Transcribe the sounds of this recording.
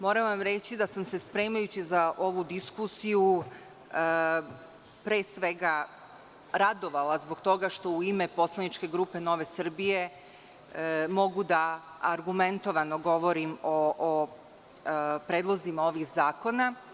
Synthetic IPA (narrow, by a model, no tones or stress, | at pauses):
mo̞ːɾaʋamɾe̞t͡ɕid̪asamse̞spɾe̞ːmajut͡ɕizaʔo̞ʋud̪iskusiju | ə | pɾe̞ːsʋe̞ɡa | ɾad̪o̞ʋalazboɡt̪o̞ɡaʃt̪o̞uime̞po̞slˠanit͡ʃke̞ɡɾuːpe̞no̞ʋe̞sr̩bije̞ | mo̞ɡud̪aaɾɡument̪o̞ʋano̞ɡo̞ʋo̞ɾimo | pɾeːd̪lˠozimao̞ʋixzaːko̞na